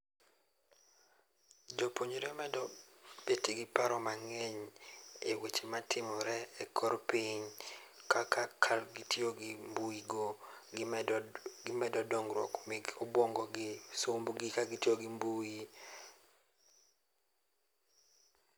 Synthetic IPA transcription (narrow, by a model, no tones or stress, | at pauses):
d͡ʒopoɲoɾɛmɛdɔ | b̥etiɡɪpaɾɔmaŋeɲewet͡ʃematʰɪmɔɾɛɛkʰɔɾpiɲkakakʰalɡitioɡmbuiɡo | ɡɪmɛdɔdɔŋɡɾwɔ̰kmeɡobwoŋɡɔɡɪsomboɡɪkaɡitjoɡɪmbui